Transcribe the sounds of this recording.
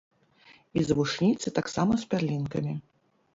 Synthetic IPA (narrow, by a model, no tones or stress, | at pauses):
izvuʂnʲit̪sɨt̪aksamɐspʲarlʲinkɐ̰mʲi